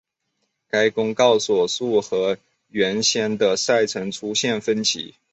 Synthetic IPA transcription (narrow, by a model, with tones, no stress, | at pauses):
ka˥ɪkʊ˥ŋkɑ˥˩ʊswɔ˨˩su˥˩xɤ˧˥ | ɥɛ˧˥nɕjɛ˥nd̪ə˨sa˥˩ɪt͡sʰɤ˧˥ŋʈ͡ʂʰu˥ɕjɛ˥˩nfə˥nt͡ɕʰḭ˨˧˥